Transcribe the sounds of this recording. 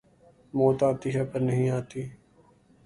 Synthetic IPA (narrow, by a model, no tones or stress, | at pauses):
moːt̪aːt̪iːɦɛːpəɾnɐɦĩaːt̪iː